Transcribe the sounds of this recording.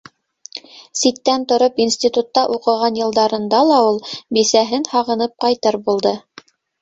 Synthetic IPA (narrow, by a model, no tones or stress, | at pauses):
sit̪ːænt̪ŏɾopinsʲt̪ʲit̪ut̪ːɑʔuqɤ̆ʁɑnjɤ̆lˠd̪ɑɾɤ̆nd̪ɑlˠɑulˠbisæɦɘnhɑʁɤ̆nɤp̚qɑjt̪ɤɾbulˠd̪ɤ